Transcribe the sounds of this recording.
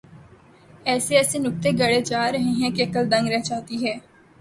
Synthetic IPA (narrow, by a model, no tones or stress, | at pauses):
ɛːseːɛːseːnʊk̚t̪eːɡəɽeːd͡ʒaːɾəɦẽːɦɛ̃ːkeəkəld̪ə̃ŋɡɾɛɦt͡ʃaːt̪iːɦɛː